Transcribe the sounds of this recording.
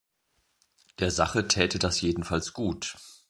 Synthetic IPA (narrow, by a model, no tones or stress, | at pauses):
d̥eːɐzaχətʰɛːtədasjeːdn̩falsɡ̥uːt